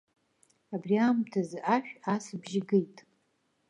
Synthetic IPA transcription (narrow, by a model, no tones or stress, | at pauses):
abriamtʰazʔaʃᶣasbʒɪɡejtʼ